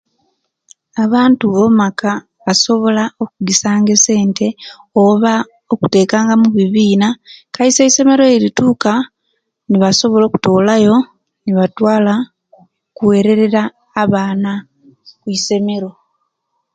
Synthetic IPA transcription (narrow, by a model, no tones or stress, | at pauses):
aβaːntuβo̞maka | βaso̞βo̞lao̞kuɡisaːŋɡe̞se̞ːnte̞ | oβa | oku̥te̞ːkaːŋɡamuβiβiːnakaise̞ise̞me̞ɾo̞eɾituːka | niβaso̞βo̞lo̞ːku̥to̞ːlajo̞ | niβatwaːla | kuwe̞ːɾe̞ɾe̞ɾaː | βaːna | kuise̞me̞ɾo̞